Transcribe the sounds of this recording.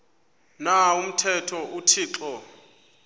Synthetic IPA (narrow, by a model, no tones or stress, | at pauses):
naum̩tʰɛtʰɔʔutʰiːǁɔ